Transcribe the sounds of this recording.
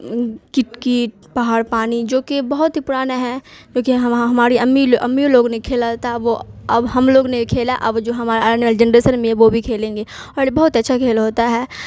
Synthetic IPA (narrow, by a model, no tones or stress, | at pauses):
kɪʈkiːʈ̚ | pɐɦaːɾpaːnid͡ʒoːkebɐɦʊt̪ɦipʊɽaːnaɦɛ̃kõːkiɦɦɐmaːɾiɐmːiʔɐ̰mːioloːɡnekʰeːlat̪aʋoɐbɦɐmloːɡnekʰeːlaʔɐbd͡ʒoːɦɐmaːɾnld͡ʒɛnɾeːsənmẽʋobʱikʰeːlẽːŋɡeːɔːɾbɐɦʊt̪ɐtːʃʰakʰeːlɦoːt̪aɦɛː